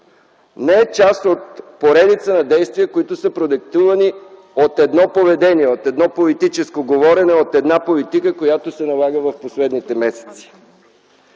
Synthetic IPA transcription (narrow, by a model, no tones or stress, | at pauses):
nɛɛt͡ʃast̪ot̪poɾɛd̪it̪sənɐd̪ɛjst̪viəkoit̪ʊsəpɾod̪ɛk̚t̪uvɐni | ot̪ɛd̪nɔpovɛd̪ɛniɛot̪ɛd̪nɔpolit̪it͡ʃɛskoɡovɔɾɛnɛot̪ɛd̪napolit̪ikəkojat̪osɛnɐlˠaɡəvɐfposlɛd̪nit̪ɛmɛsɛ̥t̪si̥